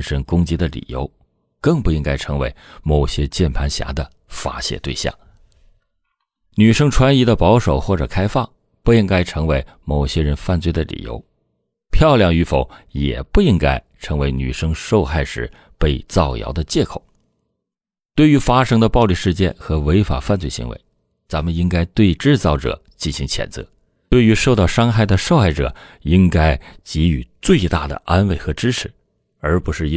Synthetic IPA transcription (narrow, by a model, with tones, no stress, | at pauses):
nʂə˥ŋkʊ˥ŋt͡ɕi˧˥d̪ə˨lḭ˨˩jo̰˧˥ʊ | kɤ˥˧ŋpu˥˩i˥ŋka˥ɪʈ͡ʂʰɤ˧˥ŋwe˧˥ɪmo˨˩ʊɕjɛ˥t͡ɕjɛ˥˩npʰa˧˥nɕja̰˧˥d̪ə˧ | fa̰˥ɕjɛ̰˨˩t̪we˥˧ɪɕjɑ̰˥˩ŋ | ny˨˩ʂɤ˥ŋʈ͡ʂʰwa˧˥ni˧˥d̪ə˧pɑ˧˥ʊʂo˨˩ʊxwɔ˥˩ʈ͡ʂɤ̰˨˩kʰa˥ɪfɑ˥˩ŋ | pu˥˩i˥ŋka˥ɪʈ͡ʂʰɤ˧˥ŋwe˧˥ɪ | mo˨˩ʊɕjɛ˥ɻə˧˥nfa˥˧nt͡swe˥˩ɪd̪ə˧lḭ˨˩jo̰˧˥ʊ | pʰjɑ˥˧ʊljɑ˥˩ŋy˧˥fo˧˩ʊjɛ̰˨˩pu˥˩i˥ŋka˥ɪʈ͡ʂʰɤ˧˥ŋwe˧˥ɪny̰˨˩ʂɤ˥ŋʂo˥˧ʊxa˥˩ɪʂɻ̩̰˨˧˦ | pe˥˧ɪt͡sɑ˥˩ʊjɑ̰˧˥ʊd̪ə˧t͡ɕjɛ˥˩kʰo˨˩˦ʊ | t̪we˥˩ɪy˧˥fa˥ʂɤ˥ŋd̪ə˨pɑ˥˧ʊli˥˧ʂɻ̩˥˧t͡ɕjɛ˥˩nxɤ˧˥we˧˥ɪfa̰˨˩fa˥˧nt͡swe˥˩ɪɕḭ˧˥ŋwḛ˧˥ɪ | t͡sa˧˥nmə˨ni˥ŋka˥ɪt̪we˥˧ɪʈ͡ʂɻ̩˥˧t͡sɑ˥˩ʊʈ͡ʂɤ̰˨˩˦ | t͡ɕi˥˩nɕi˧˥ŋt͡ɕʰjɛ̰˨˩nt͡sɤ̰˧˥˦ | t̪we˥˩ɪy˧˥ʂo˥˧ʊt̪ɑ˥˩ʊʂɑ˥ŋxa˥˩ɪd̪ə˩ʂo˥˧ʊxa˥˩ɪʈ͡ʂɤ̰˨˩˦i˥ŋka˥ɪt͡ɕi˧˥y̰˨˩t͡swe˥˧ɪt̪a˥˩d̪ə̰˩ʔa˥nwe˥˩ɪxɤ˧˥ʈ͡ʂɻ̩˥ʈ͡ʂʰɻ̩˧˥ | ə˞˧˥pu˧˥ʂɻ̩˥˩˥